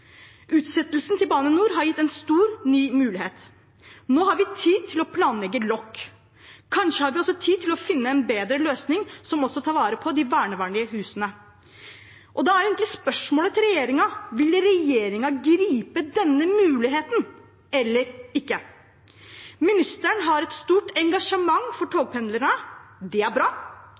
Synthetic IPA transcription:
ʔʉːt̪sɛt̪ːəlsnt̪ɪlbɑːnənuːɾɦɑɾjɪt̪ːɛnst̪uːɾnyːmʉːlɪɦeːt̪ | noːɦɑɾʋɪt̪ʰiːd̪̚t̪ʰɪlɔpʰlɑːnlɛɡːəlɔkː | kʰːɑnʂəhɑɾʋɪɔsːɔt̪ʰiːt̪ʰɪlɔfɪnːəɛnbeːd̪ɾəløːsnɪŋsɔmɔsːɔt̪ʰɑːɾʋɑːɾəpʰɔd̪ɪʋæːɳəʋɑːɳlɪəhʉːsənə | ʔɔd̪ɛæɾjʊɪŋk̪lɪspœʂmoːlət̪ʰɪlɾɛjeːɾɪŋɑʋɪlɾɛjeːɾɪŋɑɡɾiːpəd̪ɛnːəmʉːlɪɦeːt̪n | ɛlːəɾɪkːə | mɪnɪst̪əɳɦɑɾɛt̪st̪uːʈɛŋɡɑʂəmɑŋːfɔʈʰoːɡ̚pʰɛnd̪ləɳəd̪ɛæɾbɾɑː

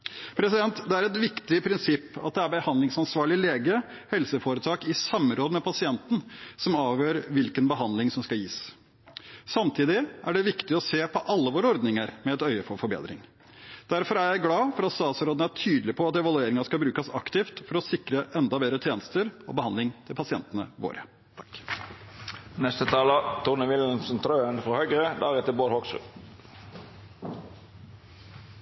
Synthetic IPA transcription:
pʰɾɛsɪd̪ɛnt̪d̪ɛæɾɛt̪ʋɪkt̪ɪpʰɾɪnsɪpːɑt̪̚d̪ɛæɾbəhɑnd̪lɪŋsɑnsʋɑːɭɪleːɡəhɛlsəfoːɾət̪ʰɑːkɪsɑmːɾoːd̪əmɛpʰɑsɪɛnt̪n̩sɔmɑːʋjøːɾʋɪlkənbəɦɑnd̪lɪŋsɔmskɑljḭːs | sɑmt̪ʰiːd̪ɪæɖɛʋɪkt̪ɪɔseːpʰɔʔɑlːəʋoːɾəɔɾd̪nɪŋəɾmɛɛt̪œʏəfɔɾfɔɾbḛːd̪ɾɪ̰ŋ | d̪̥æɾfɔɾæjæɪɡlɑːfɔɾɑt̪st̪ɑːsəɾoːd̪n̩æʈʰyːd̪lɪpʰɔɑt̪ɛʋɑlʉeːɾɪŋɑskɑbɾʉːkəsɑ̰kt̪ɪːft̪fɔɾɔsɪkɾəʔɛnd̪ɑbeːd̪ɾət̪ʰjeːnəst̪əɾɔ̰ːbəhɑnd̪lɪŋt̪ʰɪlpʰɑsɪɛnt̪ənə̰ʋo̰ːɾə̰ | nɛst̪ət̪ʰɑːlɑt̪ʰʊʁnəʋɪlnsənt̪ʰɾøːənfʁɔhœʏɡʁəd̪æʁɛt̪əlboːɾhoksʉ̰

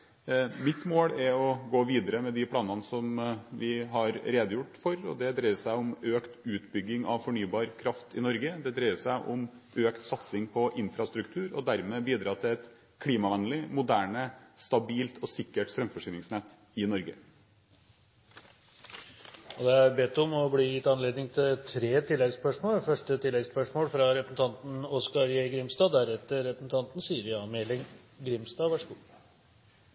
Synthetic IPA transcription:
mɪt̪moːɽɛɾɔɡoːʋiːd̪əɾəmɛd̪ɪpʰlɑːnɑnəsɔmʋɪɦɑɾɾeːd̪əjʊʈːfɔɾɔ̰d̪ɛd̪ɾæɪəsæɪʊmøːkt̪ʉːt̪bʏɡːɪŋɑʋfɔɳyːbɑːɾkʰɾɑft̪ʰɪnɔɾɡəd̪ɛd̪ɾæəsæɪʔʊm | øːkt̪sɑt̪sɪŋpʰɔʔɪnfɾɑst̪ɾʉkt̪ʰʉːɾɔ̰d̪æɾmɛːbiːd̪ɾɑːt̪ʰɪlɛt̪ | kʰliːmɑʋɛnlɪmʊd̪æːɳəst̪ɑbiːlt̪ʰɔsɪkːəʈst̪ɾœmfɔʂyːnɪŋsnɛt̪ː | ɪnɔɾɡə | ɔd̪ɛæɾbɛt̪ːɔmɔbliːjɪt̪ːɑnleːd̪nɪŋt̪ʰɪlt̪ʰɾeːt̪ʰɪlːɛɡspœʂmoːlfœʂʈət̪ʰɪlːɛɡspœʂmoːlfɾɑɾɛpɾəsn̩t̪ɑnt̪n̩ɔskɑɾjeɡɾɪmst̪ɑːd̪æɾɛt̪ːəɾɾɛpɾəsn̩t̪ʰɑnt̪n̩syːɾɪɑmelɪŋ | ɡɾɪmst̪ɑːʋæʂəɡuː

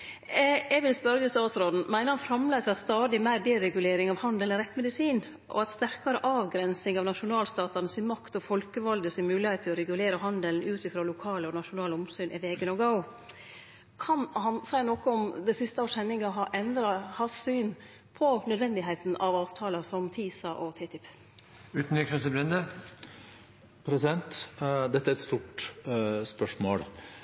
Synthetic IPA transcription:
ɛʋɪlst̪ɑːd̪ɪst̪ɑːt̪sɾoːd̪n̩mæɪnəhɑnfɾɑmleːsst̪ɑːd̪ɪmæɪɖ̪ɛɾɛɡʉleːɾɪŋɑʋhɑnd̪əlɾɛt̪ːmɛd̪ɪsiːn | ʔɔ̰ɑt̪st̪æɾkɑɾəʔɑːʋɡɾɛnsɪŋɑʋnɑʂʊnɑːlst̪ɑːt̪ɑnəsɪnmɑkt̪ɔfɔlkəʋɑld̪əsɪmʉːlɪhet̪ʰːɪlɔɾɛɡʉleːɾəhɑnd̪əln̩ʉːt̪ɪfɾoːlʊkʰɑːləɔnɑʂʊnɑːlɔmsyːnʔɛʋeːɡənɔɡəʊ | kʰɑnhɑnsæɪnɔkəɔmd̪æɪsɪst̪əɑːʂhɛnːɪŋɑɦɑʔɛnd̪ɾɑhɑsyːn | pʰɔnœd̪ʋɛnd̪ɪɦeɪt̪n̩ʔɑʋɑːʋt̪ʰɑːlɑsɔmt̪ʰiːsɑʔɔt̪ʰɪt̪ʰɪpː | ʉːt̪n̩ikɛsəbɾɛnd̪ə | pʰɾɛsɪd̪ɛnt̪d̪ɛt̪ːæɾɛt̪st̪uːʈ | spœʂmo̰ːɽ

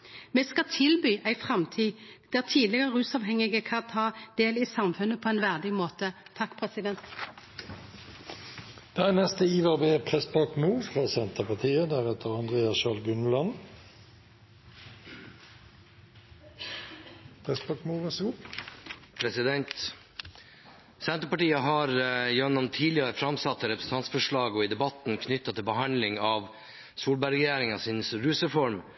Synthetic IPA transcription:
meːskɑt̪ʰɪlbyːʔæɪfʁɑmt̪ʰiːd̪̥æːʁt̪ʰiːd̪lɪɡəʁəʁʉːsɑːʋhɛŋɪɡəkʰɑt̪ʰɑːd̪̥eːlɪsɑmfʉnːəpʰoːɛɪnʋæʁd̪ɪmoːt̪ə | t̪ʰɑkːpʰʁɛsɪd̪ɛnt̪ | d̪̥ɛæːnɛst̪əiːʋɑbeːpʰʁɛsbɑːkmuːfʁɑːsɛnt̪əʁpɑʁt̪ʰiːəd̪æʁɛt̪əʁɑnd̪ʁeːɑsʃɑːlɡʉnlɑn | pʰʁɛsbɑːkmuːʋɑsəɡuː | pʰɾɛsɪd̪ɛnt̪ | sɛnt̪əɾpɑʈiːəɦɑɾjɔɑnɑmt̪ʰiːlɪɑɾəfɾɑmsɑt̪ːəɾɛpɾəsn̩t̪ʰɑnsfɔʂɭɑːɡɔid̪ɛbɑt̪nkʰnʏt̪ːɑt̪ʰɪlbəɦɑnd̪lɪŋɑʋ | suːlbæɾɛjæːɾɪŋɑsɪnsɾʉːsəfɔɾm

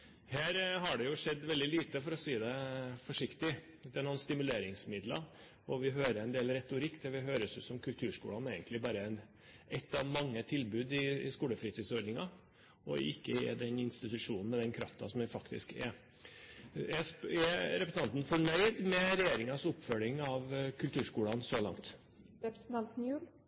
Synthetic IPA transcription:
hæːɾɦɑɖɛjʊʂɛd̪ːʋɛld̪ɪliːt̪əfɔɾɔsiːd̪ɛfɔʂɪkt̪ɪ | d̪ɛːnɔːnst̪ɪmʉleːɾɪŋsmɪd̪lɑ̰ | ɔʋɪɦøːɾəɾɛnd̪eːlɾɛt̪ʊɾɪkːd̪ɛʋɪɦøːɾəsjʊsɔmkʰʉlt̪ʰʉːʂkṵːlɑneɪɡənt̪lɪbɑːɾəɛn | ʔɛt̪ːɑʋmɑŋːət̪ʰɪlbʉːd̪ɪɪskuːləfɾiːt̪ʰiːsɔɾd̪nɪŋɑ | ɔɪkːəɛ̰d̪ɛnɪnst̪ɪt̪ʉʂuːnn̩mɛd̪ɛnkʰɾɑft̪ɑsɔmɛfɑkt̪ɪ̰skɛ | ɛsɛɾɛpɾəsənɑnt̪n̩fɔɳœʏd̪mɛɾɛjeːɾɪŋɑsʊpːfœlɪŋɑʋkʰʉlt̪ʰʉːʂkuːlɑnsɔlɑ̰ŋt̪ | ɾɛpɾsn̩t̪ʰɑnt̪njʉːl

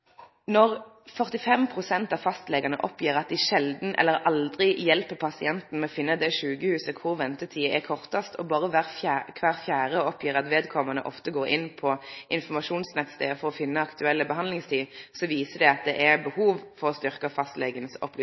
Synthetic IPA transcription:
nɔʁ | fœʁt̪ɪfɛmpʰʁʊsɛnt̪ɑʋfɑst̪lɛɡənəʔɔpjiːʁɑt̪̚d̪ɪʃɛld̪n̩ʔɛ̰lːəʁɑld̪ʁɪjɛlpəpʰɑsɪɛnt̪n̩mɛɔfɪnːəd̪ɛʃʉːɡəhʉːsəkʰʊʁʋɛnt̪ət̪ʰiːəɛkʰɔʁt̪ɑst̪ʰɔbɑːʁəʋæʁfækʰʋæːʁfjæːʁəɔpjiːʁɑt̪ʋeːd̪kʰɔmənə̰ʔɔ̰ft̪əɡoːɾʔɪnpʰɔʔɪnfɔmɑʃuːnsnɛt̪st̪ḛːfɔʁɔfɪnːəɑkt̪ʉɛlːəbəɦɑnlɪŋst̪ʰiːsɔʋiːsəd̪ɛɑt̪̚d̪ɛʔɛbəhuːʋfɔʁɔst̪ʏʁkəfɑst̪lɛɡənsɔ̰plɛ

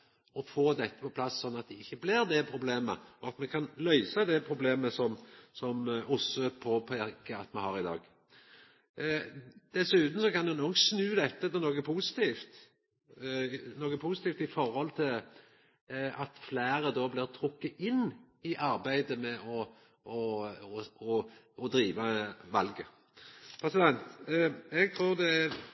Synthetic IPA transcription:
ɔfoːd̪ɛt̪ːə̥pɔpʰlɑsːɔnːɑt̪̚d̪ɛɪçːəblɪɾd̪ɛpʰɾʊbleːmə̰ɔɑt̪mɛkʰɑnlœʏsəɑd̪ɛpʰʁʊbleːməsɔmsɔmʔʊsəpʰɔpʰækəɑt̪mɛhɑɾɪd̪ɑ̰ːɡ | d̪̥ɛsʉːt̪n̩sɔkɑnjɛnoːksnʉːd̪ɛt̪ːət̪ɛnoːɡəpʰusɪ̥t̪ʰiːft̪ | noːɡəpʰusɪt̪iːft̪ɪfɔɾhɔlt̪ʰɪl | ɑt̪flæːɾəd̪ɔblɪːʁt̪ʰɾʊkːəɪnː | ɪʔɑɾbæɪd̪əmɛʔɔ | ɔ | ɔ | ɔd̪ɾiːʋəʋɑlɡə | pʰʁɛsɪd̪ɛnt̪ɛɡ̚t̪ʰɾuːʁd̪ɛæɾ

